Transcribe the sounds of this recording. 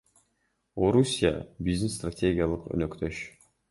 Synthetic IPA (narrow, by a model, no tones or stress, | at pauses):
oɾusʲija̰bizd̪ɪnst̪ratʲʰeɡʲɪjalˠəqø̰nøkt̪ʰøʃ